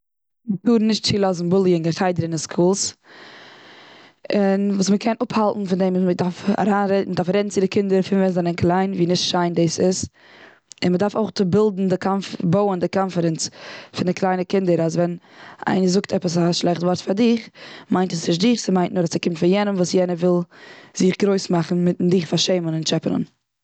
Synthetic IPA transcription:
mətuːɾnɪʃtt͡ʃiːlˠɔzn̩bʊlˠjənɡəχaɪdəɾɪnɪskʰuːlˠs | ɪnvuːsməkʰɛnʊphalˠtn̩fɪndeɪmmədaɾfa̰ɾaːnɾɛdədaɾfɾɛdn̩t͡sɪdɪkɪndəɾfɪnvɛnzanənkʰlˠaɪnviːnɪʃtʃaɪndiːsɪs | ɪnmədaɾfoʊχtʊbɪlˠdn̩dɪkʰanfboʊəndɪkanfəɾɛnt͡sfɪndɪkʰlˠaɪnəkɪndəɾasvɛna̰ɪnəzʊktʰɛpəsaʃlˠɛχtvɔɾtfaɾdɪχmaɪntəsnɪʃ̬dɪχsɪmaɪntnʊɾasɪkɪmtfɪjɛnəmvuːsjɛnəvɪlˠz̥ɪχɡɾoɪsmaχn̩mɪtdɪχfaɾʃeɪmənɪnt͡ʃɛpənə̰n

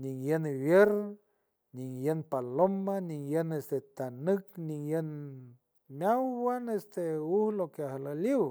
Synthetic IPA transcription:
niŋjənβjeɾ | niŋjənpalomaniŋjənest̪et̪anɨkniŋjən | mʲawwanest̪euhlokeaɦalaliw

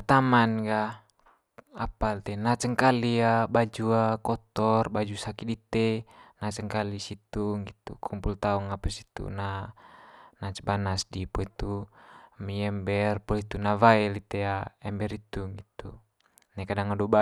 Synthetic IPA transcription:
t̪amanɡa | apalt̪ɛnat͡ʃəŋkaliabad͡ʒuakɔt̪ɔrbad͡ʒusakidit̪enat͡ʃəŋkalisit̪uŋɡit̪ṵkʰɔmpult̪auŋapasi̥t̪ṵna | nat͡ʃbanasdipoit̪u | miɛmbɛrpɔlit̪unavaɛlit̪ɛaɛmbɛɾit̪uŋɡit̪u | nakadaŋadɔba

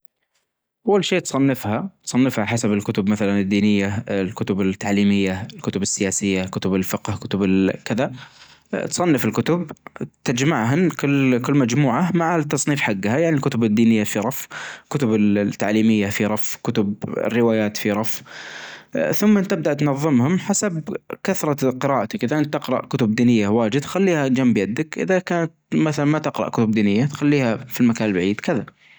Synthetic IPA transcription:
ʔawːalʃeːt̪sˤɑnːɪfhat̪sˤɑnːɪfhaħasabɪlkʊt̪ʊbmaθalanɪd̪ːiːnɪjːalkʊt̪ʊbɪt̪ːaʕliːmɪjːalkʊt̪ʊbɪsːɪjaːsɪjːakʊt̪ʊbɪlfɪqhkʊt̪ʊbɪlkɪða | t̪sˤɑnːɪfɪlkʊt̪ʊbt̪ad͡ʒmaʕɦankʊlːkɪlːmad͡ʒmuːʕamaʕt̪ːɑsˤniːfħaɡːhajaʕnilkʊt̪ʊbɪd̪ːiːnɪjːafiɾˤɑfkʊt̪ʊbɪlt̪ːaʕliːmɪjːafiɾˤɑfkʊt̪ʊbɪ̰rːɪwaːjaːt̪fiɾˤɑf | θʊmːaʔɪnt̪ːɪb̚d̪aʔt̪nɑðˤːɨmhʊmħasabkaθɾˤɑqɨɾaːʔat̪akʔɪðaʔɪnt̪ːɪqɾˤɑ̰ʔkʊt̪ʊb̚d̪iːnɪjːawaːd͡ʒɪd̪t̪xalːiːhad͡ʒambjad̪akʔɪ̰ðakaːnat̪maθalanmat̪ɪqɾɑ̰ʔkʊt̪ʊb̚d̪iːnɪjːat̪xalːiːhafilmakaːnlbaʕiːd̪kɪða

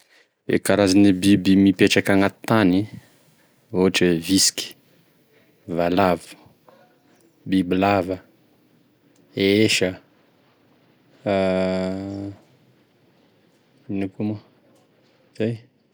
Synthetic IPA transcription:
ḛkaɾazanibibimipeʈ͡ʂakaŋat̪i̥t̪ani | oɦaʈ͡ʂevisi̥kʲi̥ | valavu̥ | bibilavə | eeʃə | inikuma | z̥aj

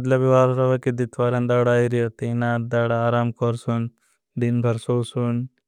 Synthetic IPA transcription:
ɐd̪lɐbiʋaːɾɾɐʋɐkid̪it̪ʰʋaːɾɐnd̪aːɽaːiɾiɐt̪inaːd̪aːɽaaːɾaːmkɔɾsun | d̪inbʱɐɾsoːsun

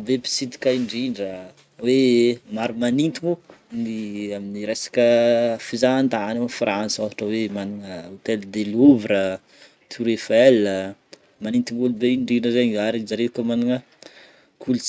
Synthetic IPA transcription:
bepi̥sit̪i̥kaiɳɖ͡ʐiɳɖ͡ʐə | wemaɾumanint̪imuniaminiɾesḁkəfizaand̪aanafransavaʈ͡ʂəwemaniŋəut̪eld̪eluvɾə | t̪ʰuɾefelə | manint̪imbulubeiɳɖ͡ʐiɳɖ͡ʐəzeɲaɾizaɾekomaniŋə | kʰult͡s

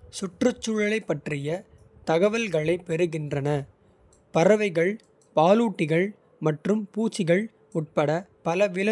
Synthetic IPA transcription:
sʊʈrɯt͡ʃːʊɻɐlɐɪpːɐʈrɪjɐ | t̪ɐɣɐʋɐlɣɐɭɐɪpɛɾɯɣɪndrɐnɐ | pɐɾɐʋɐɪɣɐɭ | paːluːʈːɪɣɐɭ | mɐʈrɯmpuːt͡ʃːɪɣɐɭ | ʊʈ̚pɐɽɐpɐlɐʋɪlɐ

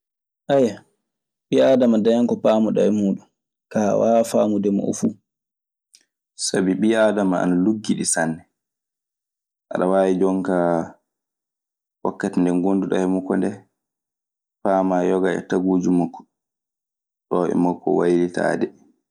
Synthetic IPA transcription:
ʔaja | ɓiadamadajaŋkɔpaːmuɗa̰ɛmuːɗun | kawafaːmudɛmɔ̰ʔɔ̰fu | sabiɓiadamaa̰naluɡːiɗisanːɛ | ʔa̰ɗawaːwid͡ʒɔŋka | wa̰kːatɛndɛŋɡonduɗa̰hɛmukɔndɛ | paːmajɔɡaɛ̰taɡuːd͡ʒumakːɔ̥ | ɗɔɛ̰mɔkːɔ̰wajɾita̰ːdɛ

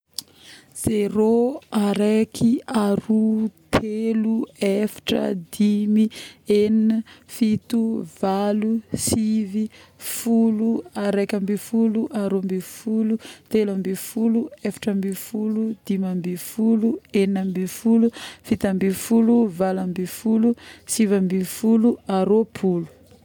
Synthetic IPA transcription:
z̥eɾoaɾekʰiaɾut̪ʰeluefḁʈ͡ʂə̰d̪imieninəfit̪uv̥alusivifuluaɾekʲambifuluʔaɾombifulut̪elambifuluefḁʈ͡ʂəmbifulud̪̥imambifulueninambifulufit̪ambifuluvalambifulusivambifuluaɾopʰulu̥

